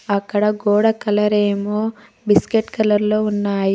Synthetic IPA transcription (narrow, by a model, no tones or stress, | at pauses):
ɐkːɐɽɐɡoːɽɐkɐlɐɾeːmoː | biskeʈkɐlɐɾlo̞ːunːaːji